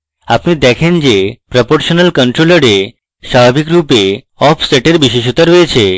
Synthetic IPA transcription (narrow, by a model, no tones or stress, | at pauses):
apnid̪ɛkʰend͡ʑepɾəpoɾʃənəlkəɳʈɾoləɾe | ʃababʱikɾupe | ɔpʰsʈeʈeɾbiʃeʃ̬ut̪aɾɦoet͡ɕʰe